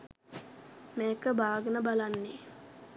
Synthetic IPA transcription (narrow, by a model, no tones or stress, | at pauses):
meːkəbaːɡənəbalanːe